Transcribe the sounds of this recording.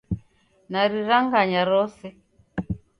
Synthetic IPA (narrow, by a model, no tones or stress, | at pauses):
naɾiɾaŋɡaɲaɾɔsɛ